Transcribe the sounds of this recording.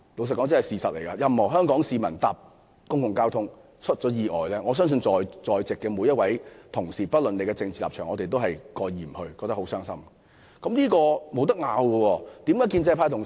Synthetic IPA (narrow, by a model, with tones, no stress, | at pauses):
lo˨˧wsɐ˨kɔː˨˥ŋt͡sɐ˥hɐ˨jsiː˨˩sɐ˨t̚le˨˩jkaː˧jɐ˨˧mhɔː˨˩ɦœː˥ŋkɔː˨˥ŋsiː˧mɐ˨˩nt̪aː˨p̚ | kʊ˥ŋkʊ˨˩ŋkaː˥wt̪ʰʊ˥ŋ | t͡ʃʰɵ˥t̚t͡ʃɔː˨˥jiː˨˧ʔɔ̰ː˨jlɛː˥ŋɔː˨˧s̬œː˥ŋs̬ɵ˧nt͡sɔː˨˧jt͡sɔː˨jt͡sɪ˨kːɛː˧mu˨˧jɐ˥t̚wɐ˨˥jt̪ʰʊ˨˩ŋsiː˨˩pɐ˥t̚lɵ˨nle˨˧jkɛː˧t͡sɪ˧ŋt͡si˨laː˨p̚t͡ʃʰœː˨˩ŋɔː˨˧e˨jt̪o˥whɐ˨jkɔː˧jjiː˨˩m̩˨˩hɵ˧ɥkɔː˧k̚t̪ɐ˥kɦo˨˥wsœː˥ŋsɐ̰˥m | kɐ˨˥mnliː˥kɔː˧mo˨˧wt̪ɐ˥k̚ŋaː˨˧wkɔ˧wɔː˧t̪i˨mkaː˨˥jkiː˧nt͡sɐ˧pʰaː˧t̪ʰʊ˨ŋ